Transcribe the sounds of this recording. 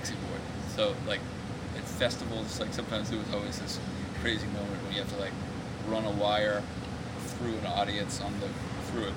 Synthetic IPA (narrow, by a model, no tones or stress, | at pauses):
ksɨbɔɹd̚ | soʊlaɪk | ɨtfɛstəvl̩ˠzz̥laɪksʌ̃mtʰãɪ̃mzɨt̚wʌzɔlˠwizðɪs | kʰɹ̥eɪzɪ̃ŋmõʊ̃mɨ̃nʔwə̃njɨhæftəlaɪk̚ | ɹʌ̃nəwaɪə˞ | θɹʉə̃nɔɾiɨ̃nsn̩ðɨ | θɹʉɨ